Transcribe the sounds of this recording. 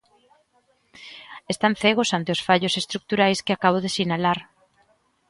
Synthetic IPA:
est̪anθeɣ̞ʊsant̪eosfaʎʊsest̪ɾuk̚t̪uɾajskɪakaβ̞oðesinalaɾ

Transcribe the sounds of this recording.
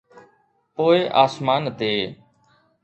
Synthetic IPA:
poːeʔaːsmaːnd̪eː

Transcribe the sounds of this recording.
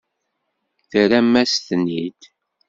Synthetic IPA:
θəɾæmːæsθnːid̪

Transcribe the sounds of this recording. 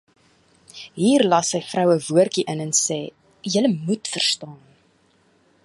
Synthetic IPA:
ɦiːrlɐsəjfrœwəvuərkiʔənɛnsɛː | jələmutfərstɑːn

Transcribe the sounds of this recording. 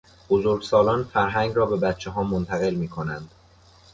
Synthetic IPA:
b̥ozoɾɡsɒːlɒːnfæɾɦæŋɡɾɒːbe̞bæt̪̚t͡ʃʰeɦɒːmont̪ʰæɣe̞lmiːkʰo̞nænd̪̥

